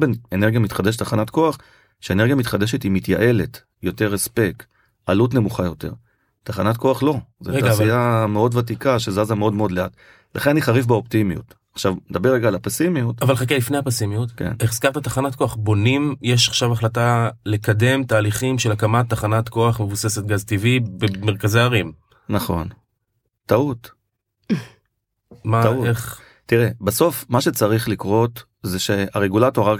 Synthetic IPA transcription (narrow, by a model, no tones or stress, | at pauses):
beneneʁɡijamit̪χade̞ʃ̬etːaχanatko̞aχ | ʃeeneʁɡjamit̪χad̪e̞ʃe̞timitjaʔe̞le̞t | jo̞te̞ʁespe̞k | alutne̞muχajo̞te̞̰ʁ | t̪aχanatko̞aχlo̞zetaasiameo̞dvat̬ikaʃezazameo̞dmeo̞dleat | lʔaχenaniχaʁifbeo̞ptimijṵt | aχʃavned̪abe̞ʁːeɡaːlapesimijutavalχak̬elifnejapesimijut̪kḛneχskaʁt̪at̪aχanatko̞aχbo̞nimje̞ʃaχʃavaχlatale̞kade̞mt̪aːliχimʃe̞lakamat̪ːaχanat̪ko̞aχme̞vuse̞se̞t̪̚ɡazt̪ivibemeʁkazeaʁim | naχo̞̰n | taut | maaueχ | tiʁebaso̞fmaʃet͡saʁiχlikʁo̞t̪ | zeʃeaʁeɡulato̞ʁa